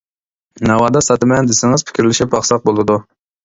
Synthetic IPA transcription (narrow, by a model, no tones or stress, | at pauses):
nɑwɑːd̪ɑsɑt̪ɨmɛnd̪ɪsɪŋɨz̥pʰɪ̥kʲiɾlɪʃip̚ɑχsɑq̚bolˠɨd̪u